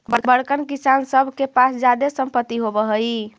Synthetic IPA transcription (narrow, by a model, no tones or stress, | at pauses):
bəbəɽkənkisansəbʱkepasd͡ʒad̪esəmpət̪ːiɦobəɦəj